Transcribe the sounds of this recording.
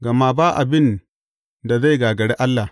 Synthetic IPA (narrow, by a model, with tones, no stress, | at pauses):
ɡa˨ma˦ba˦ʔa̰˨bɪ˦n | da˨za˦jɡaː˨ɡɐ˨ɽe˦ʔa˦lːa˨